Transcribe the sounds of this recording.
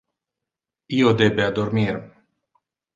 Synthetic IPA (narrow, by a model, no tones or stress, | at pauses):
iod̪ebead̪ormir